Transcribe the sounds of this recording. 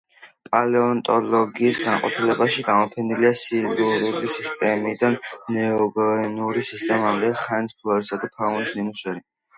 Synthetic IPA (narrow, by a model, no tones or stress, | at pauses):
pʼalɛɔnt̪ʼɔlɔɡiːsɡanqʼɔpʰilɛbaʃiɡamɔpʰɛniliasiluɾulisist̪ʼɛmid̪annɛɔɡɔɛnuɾisist̪ʼɛmamd̪ɛχɛnt̪pʰlˠɔɛsad̪upʰaunisnimuʃɛɾi